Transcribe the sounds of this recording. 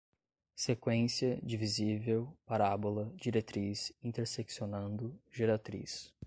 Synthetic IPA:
sekwẽsiɐd͡ʒivizivewpaɾabolɐd͡ʒiɾet̪ɾisĩnt̪eɾseksionɐ̃nd̪ʊʒeɾat̪ɾḭs

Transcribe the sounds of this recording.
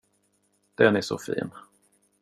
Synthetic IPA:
d̪̥ɛnæʂɔ̰fḭːn

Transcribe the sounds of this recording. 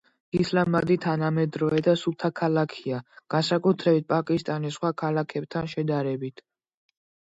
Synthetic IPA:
islamad̪it̪ʰanamɛd̪ɾɔɛd̪asut̪ʰakʰalakʰiaɡ̥ansakʼut̪ʰɾɛbit̪̚pʼakʼist̪ʼanisχwakʰalakʰɛb̚t̪ʰanʃɛd̪aɾɛbit̪ʰ

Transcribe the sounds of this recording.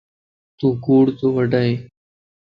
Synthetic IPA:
t̪uːɡuːɽt̪oːʋəɖaːɦeː

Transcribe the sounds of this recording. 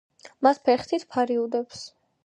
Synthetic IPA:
mat̪ʰpʰɛɾχt̪ʰit̪ʰpʰaɾiud̪ɛps

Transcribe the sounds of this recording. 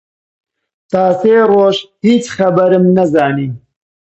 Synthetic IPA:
t̪ɑːseːroːʃhiːt͡ʃxɐbɐɾɨmnɐzaːniː

